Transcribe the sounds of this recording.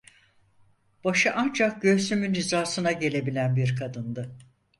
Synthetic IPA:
b̥aʃɯʔand͡ʒak̚ɟøsymynɾizaːsɯnaɟe̞lʲe̞bilʲænbiɾkʰad̪ɯnd̪ɯ

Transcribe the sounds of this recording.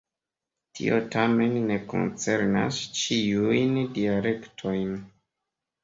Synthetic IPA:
tʰḭo̞tʰame̞nːe̞ko̰nt͡se̞ɾna̰st͡ʃiujndiale̞ktʰo̞jn

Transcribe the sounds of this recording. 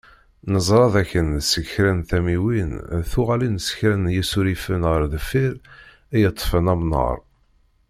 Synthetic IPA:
nəzˤɾˤɑðæçənsəçɾænθæmiwinθʊʁalinəsə̥çɾænjisuɾifənʁəɾðəfiɾ | æjət̪ˤːfənæmnə̰ɾˤ

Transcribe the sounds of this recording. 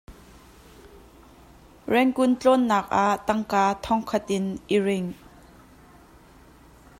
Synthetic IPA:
rɛŋkʊnt͡ɬɔnːaːk̚ʔaʔt̪ɐŋkaːt̪ʰɔŋkʰɐt̪̚ʔɪnʔirɪŋ

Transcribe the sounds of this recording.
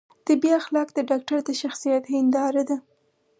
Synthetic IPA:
d̪̥əbjɑxlɑkd̪əɖɑk̚ʈaɾd̪əʃaxsijat̪hɪnd̪ɑɾad̪a

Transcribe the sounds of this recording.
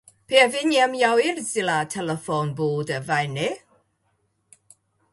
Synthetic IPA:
pʰeɛvɪnɛmjawɪrzɪlatʰɛlɛfɔnboːdəvajnɪ

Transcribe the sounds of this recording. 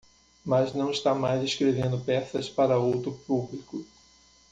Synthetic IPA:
mɐznɐ̃w̃ɪst̪amajzeskɾevẽnd̪ʊpɛsɐspaɾɐowt̪ɾʊpublikʊ

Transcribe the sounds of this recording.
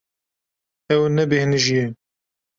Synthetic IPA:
ɛwnɛbehnɨʒijɛ

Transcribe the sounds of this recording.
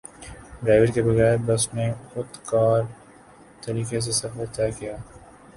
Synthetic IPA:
ɖɾaːɪʋəɾkebɐɣɛːɾbɐsnexʊt̪kaːɾ | t̪ɐɾiːkes̬esɐfəɾt̪aːkijaː

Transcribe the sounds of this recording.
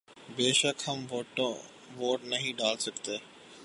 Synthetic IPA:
beːʃəkhɐmʈ | ʋoːʈnɐɦĩɖaːlsɐkt̪eː

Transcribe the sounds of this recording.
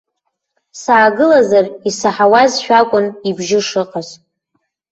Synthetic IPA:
saːɡɨlazarisaħawazʃᶣakʷʼʊnibʒɪʂɨqʼaz

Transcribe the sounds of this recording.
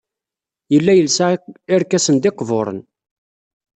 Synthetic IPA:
jəlːæjəlsaɪɾkːæsənd̪ɪqːvoɾˤə̰n

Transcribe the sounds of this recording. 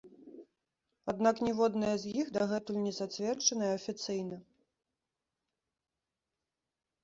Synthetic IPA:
ad̪naknʲɛvɔd̪nɐjɐzʲjixd̪aɣɛt̪ulʲnʲɛzat͡sʲvʲɛrt͡ʂɐnɐjɛɐfʲit̪sɨjnɐ

